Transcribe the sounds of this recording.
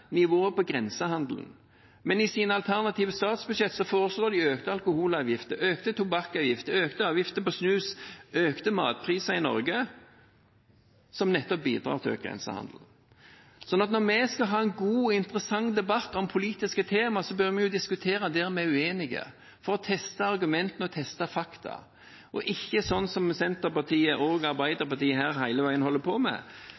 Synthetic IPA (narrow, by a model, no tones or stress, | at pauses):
nɪʋoːəpɔɡɾɛnsəhɑnd̪ln̩ | mɛnɪsiːnəɑlt̪ʰæʁnɑt̪ʰiːʋəst̪ɑːt̪sbʉd̪ʂʃɛt̪ːsɔfoːʁəsloːd̪ɪøːkt̪əɑlkʊhuːlɑːʋjɪft̪əɾøːkt̪ət̪ʰʊbɑkːɑːʋjɪft̪əøːkt̪əɑːʋjɪft̪əpɔsnʉːsøːkt̪əmɑ̰ːt̪̚pʰʁiːsɑɪnɔ̰ɾɡə | sɔmnɛt̪ːɔp̚bḭːd̪ʁɑ̰ːʁt̪ʰɪø̰ːkɡʁɛ̰nsə̰hɑ̰nd̪l̩ | sɔnːɑt̪nɔʁmɛskɑɦɑːɛnɡuːɪnt̪əɾəsɑŋːd̪ɛbɑt̪ːɔmpʰʊliːt̪ɪskət̪ʰeːmɑsɔbøɾmɛjʊd̪ɪskʉt̪ʰeːɾɑd̪ɛːʁmɛʉeːnɪɡə̰ | fɔɾɔt̪ʰɛst̪ɑɑɾɡʉmɛnt̪ənəɔt̪ʰɛst̪ɑfɑkt̪ʰɑ̰ | ʔɔ̰ʔɪçːəsɔnːsɔmsɛnt̪əɾpɑt̪ʰiːəʔoːɡɑɾbæɪd̪əɾpɑt̪iːəɦæːɾhæɪləʋæɪənhɔlːəpʰɔmɛ̰